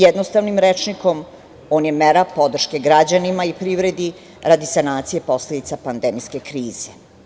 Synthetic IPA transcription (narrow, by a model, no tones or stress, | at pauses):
jɛd̪nost̪aʋnimɾet͡ʃniko̞m | oːnjemeɾapo̞d̪r̩ʃke̞ɡɾad͡ʑanimaipɾiʋɾed̪i | ɾad̪isanaːt̪sije̞po̞sle̞d̪it̪sapand̪emijske̞kɾiːz̥e